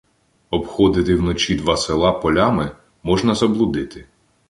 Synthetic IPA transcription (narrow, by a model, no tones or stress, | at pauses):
ɔbxɔd̪ɪt̪ɪwnɔt͡ʃʲid̪ʋɑselˠɑpɔlʲamɪ | mɔʒnɐzɐblˠʊd̪ɪt̪ɪ